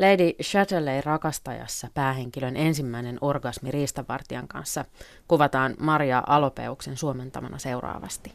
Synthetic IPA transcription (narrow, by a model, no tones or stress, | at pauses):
lejdiʃæt̪eleirɑkɑst̪ɑjɑ̰sːɑpæːɦe̞ŋkilø̞nʔe̞nsimːæine̞no̞rɡɑsmiriːst̪ɑʋɑ̰rt̪iɑŋkɑ̰nsːɑ | kuʋɑt̪ɑːnmɑɾjɑʔɑlo̞pe̞̰ukse̞nsuome̞nt̪ɑmɑnʔɑse̞wrɑ̰ːʋɑ̰st̪i